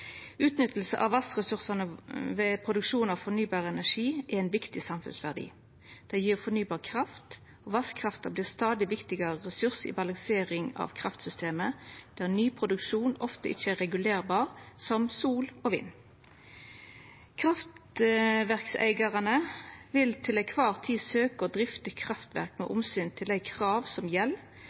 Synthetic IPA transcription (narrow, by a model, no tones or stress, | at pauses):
ʉːt̪nʏt̪l̩sə̰ʔɑ̰ʋɑsʁɛsʉʁsənəʋeːpʰʁʊd̪ʉkʂuːnɑʋfɔnyːbɑːʁəɛnæʁʂiːæʁæɪnʋɪkt̪ɪsɑmfʉ̰nsʋæʁd̪ḭː | d̪̥ɛɪjiːʁfɔʁnyːbɑːʁkʰʁɑft̪ | oʋɑskʰʁɑft̪ɑbliːʁst̪ɑːd̪ɪʋɪkt̪ɪɡɑʁəʁɛsʉʁsḭːbɑlɑŋseːʁɪŋɑ̰ʋkʰʁɑft̪sʏst̪ʰeːməd̪̥æːʁnyːpʰʁʊd̪ʉkʃuːnɔft̪əʔɪçəæʁɛɡʉleːʁbɑːʁsɔmsuːloːʋḭːn | kʰʁɑft̪ʋæʁksæ̰ɪɡɑʁɑnəʋɪlt̪ʰɪlæɪkʰʋɑʁt̪ʰiːsøːkəod̪ʁɪft̪əkʰʁɑft̪ʋæ̰ʁkmɛ̰ʔʊmsyːnt̪ʰɪlæɪkʰʁɑːʋsɔmjɛl